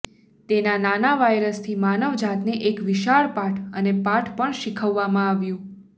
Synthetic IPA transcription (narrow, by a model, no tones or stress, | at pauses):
t̪enananaʋajɾəst̪ʰimanəʋd͡ʒat̪neʔekʋɪʃaɭpaʈʰənepaʈʰpəɳʃikʰəʋːamãaʋjũ